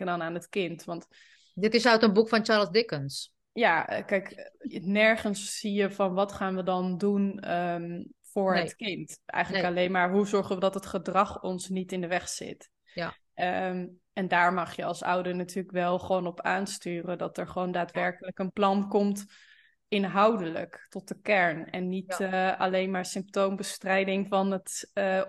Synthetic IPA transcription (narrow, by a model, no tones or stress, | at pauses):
ədɑnaːnətkɪntʋɑnt | dɪtɪsaɥtənbukfɑnt͡ʃaːɹlsdɪkəns | jakɛjknɛɹχənsːijəvɑnʋɑtχaːnʋədɑndunəfʊːɹɦətkɪntʔɛ̰jχənləkɑlejnmaːɹɦuzɔɹχənʋədɑtɦətχədrɑχɔnsnitɪndəʋɛχsɪ̰t | ɛndaːɹmɑχjəɑlˠsʌ̰wdəɹnatyːləkʋɛlˠχəʋownɔpaːnstyːrəndɑtɛɹχəʋowndaːtʋɛɹkələkənplɑnkɔmt | ɪnɦɑwdələ̰ktɔt̚dəkɛɹnɛnːitɑlejnmaːɹsɪmp̚towmbəstrɛjdɪŋvɑnət